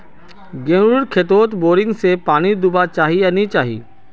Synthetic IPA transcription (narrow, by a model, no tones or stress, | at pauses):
ɡẽːnɾʊɽkʰet̪oːt̪boːɾɪ̃ŋɡsepaːnid̪ʊbat͡ʃaːɦijanit͡ʃaːɦḭː